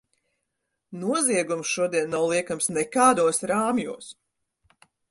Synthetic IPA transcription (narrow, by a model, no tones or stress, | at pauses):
nuɔziɛɡumsʃuɔd̪iɛnːawlˠiɛkamsnɛkaːd̪uɔsɾaːmjṵɔs